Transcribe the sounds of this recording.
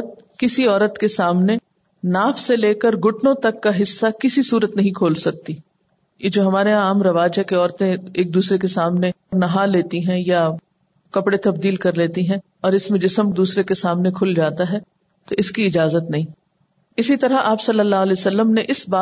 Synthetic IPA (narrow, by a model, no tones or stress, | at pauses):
t̪̚kɪsiɔːɾət̪kesaːmne | naːfseleːkəɾɡʊʈnõt̪ɐkːaɦɪsːakɪsisuːɾət̪nɐɦĩkʰoːlsɐk̚t̪i | jed͡ʒoːɦɐmaːɾeaːmɾɐʋaːd͡ʒɦɛkeɔːɾt̪ẽeːk̚d̪uːsɾek̬esaːmnenɐɦaleːt̪iɦɛ̃ja | kɐpɽet̪ɐbd̪iːlkɐɾleːt̪iɦɛ̃ | ɔːɾɪsmẽd͡ʒɪsəmd̪uːsɾekesaːmnekʰʊld͡ʒaːt̪aɦɛː | t̪oʔɪskiɪd͡ʒaːzət̪nɐɦĩː | ɪsit̪ɐɾaʔaːpsɐlːəlːaːɦlɛeːsɐlːəmneʔɪsbaː